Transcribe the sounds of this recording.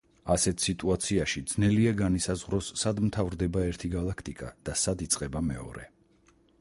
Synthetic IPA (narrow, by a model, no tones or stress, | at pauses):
asɛt̪ʰsit̪ʼuat̪sʰiaʃid̪z̥nɛliaɡanisazʁɾɔsːad̪mt̪ʰavɾd̪ɛbaɛɾt̪ʰiɡalˠakʰt̪ʼikʼa̰d̪̥asad̪it̪sʼqʼɛbamɛɔ̰ɾɛ